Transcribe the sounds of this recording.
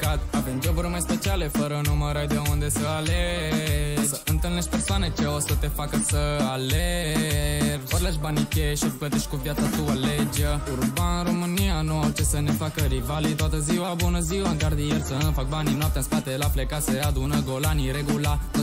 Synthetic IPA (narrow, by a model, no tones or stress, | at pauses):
kat̪avemd͡ʒoburʲmajspet͡ʃiale̞fəɾənuməɾajd̪eound̪esəale | səɨnt̪ɨlneʃʲpersoanet͡ʃeosət̪e̞fakəsʲəale | pəɾlaʃ̬banikʲeʃiplət̪eʃkuvijat̪sat̪ualed͡ʒeurbanɨɾo̞mɨnianuawt͡ʃe̞səne̞fakəɾivalit̪oat̪əziwabunəziwaɡard̪ijerʲsənfak̚baninuap̚t̪ʲaɨnspat̪elaflekasead̪unəɡolaniɾeɡula